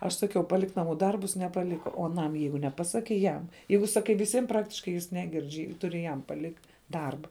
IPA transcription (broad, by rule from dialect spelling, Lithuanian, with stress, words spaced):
ɐʃ ˈsɑːˌkʲɛʊ pɐˈlʲɪk nɐˈmuː ˈdɐrbʊs nʲɛpɐˈlʲɪkɐ oː ɐˈnɐm ˈjɛɪɡʊ nʲɛˈpɑːsɐkʲɛɪ ˈjɛm ˈjɛɪɡʊ sɐˈkɐɪ ʋʲɪˈsʲɪm ˈprɑːktʲɪʃkɐɪ jɪs ˈnʲæːˌɡʲɪrʲt͡ʃʲ ˈtʊrʲɪ jɛm pɐˈlʲɪktʲ ˈdɐrbɐ